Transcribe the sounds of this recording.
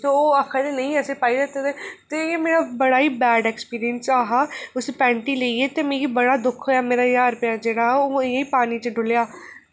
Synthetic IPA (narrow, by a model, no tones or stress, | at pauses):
soːoːəkʰad̪enəĩːɛseːpaːiːlət̪ed̪eːt̪eeːmeːɾaːbəɽaːiːbɛːɖɛːkspiːɾɪjənsaːɦaːʊspɛ̃ːɳʈiːleːiːeːt̪eːmẽːiːbəɽaːd̪ʊkʰoːjaːmeːɾaːjaːɾpɪjãːd͡ʒeːɽaːoːɪãːiːpaːniːt͡ʃəɖʊljaː